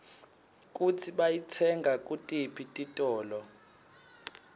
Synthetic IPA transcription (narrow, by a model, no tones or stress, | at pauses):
k̬ʼut͡sʰiɓajit͡sʰɛŋɡʱak̬ʼutʼipʰitʼitʼɔːlɔ